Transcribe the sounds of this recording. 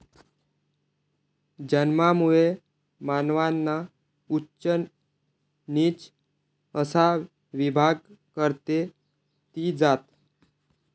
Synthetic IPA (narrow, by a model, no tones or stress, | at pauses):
d͡ʑənmamuɭe | manʋanːa | utːɕə | niːt͡s | əsa | ʋibʱaɡ̚kəɾt̪e | t̪iːd͡zat̪